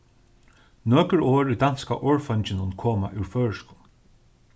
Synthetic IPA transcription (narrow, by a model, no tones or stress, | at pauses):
nøːkɹoːɹʉd̪anska̰ʔɔːɹfɔɲt͡ʃɪnʊnkʰoːma̰ʔʉwɹfœːɹʃkʊn